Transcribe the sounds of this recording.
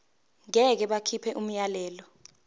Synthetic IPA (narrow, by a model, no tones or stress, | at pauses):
ŋɛk̬ɛɓakʰipʰɛʔum̩jalɛːlɔ